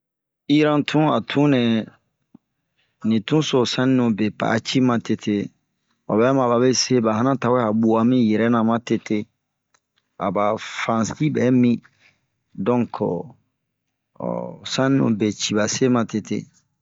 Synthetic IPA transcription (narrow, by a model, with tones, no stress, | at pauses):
i˦ɾã˦tʰũ˦a˨tʰũ˦nɛ̃˨ | nĩ˨tũ˦so˨sã˦nĩ˦nũ˨be˨pa̰˨˦t͡ʃi˦mã˨te˨tʰe˦ | o˨bɛ˦mã˨ba˨be˦se˦ba˨ɦa˦nã˦ta˨we˦a˨bu˨a˨mĩ˦jɛ˨ɾɛ˦nã˨mã˦te˨te˦ | a̰˨ba˨fɾã˨si˦bɛ˨˦mĩ˦ | dɔ̃˦ŋkɔ˨ | sã˦nĩ˦nṵ̃˨be˨t͡ʃi˨ba˨se˦mã˨te˨tḛ˦